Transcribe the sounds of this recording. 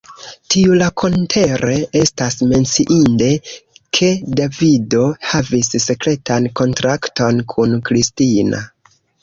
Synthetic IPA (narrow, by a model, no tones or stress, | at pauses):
tʰiulakʰo̞ntʰe̞ɾe̞e̞stasme̞nt͡siʔinde̞kʰe̞davido̞havisse̞kɾe̞tanko̞ntɾakto̞nkʰunkɾistina̰